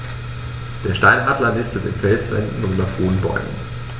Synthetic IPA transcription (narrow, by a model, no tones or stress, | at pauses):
d̥eːɐʃtaɪnaːdlɐlɪstətɪ̰nfɛlsv̥ɛ̰ndn̩ːmɐfhoːn̩bɔ̰ʏmə̰n